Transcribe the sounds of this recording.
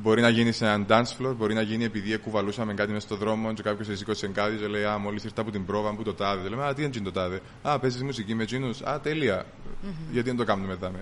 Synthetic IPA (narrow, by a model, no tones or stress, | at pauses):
bo̞ɾinɐʝinisenɐnd̪ɐnsflo̞ɾbo̞ɾinɐʝinie̞piðiekːuvɐlusɐmeŋɡɐt̪imesɐ̥st̪oðɾo̞mont͡ʃekɐpço̞sisikosiseŋɡɐðit͡ʃeleiɐmolːisiɾt̪ɐput̪imbɾo̞vɐmput̪ot̪ɐðet̪olemeɐlɐt̪iðend͡ʒint̪ot̪ɐðe | ɐpez̬ismusicimet͡ʃinusɐ̰t̪eliɐ | ʝɐt̪iðent̪o̞kɐmnumeðɐme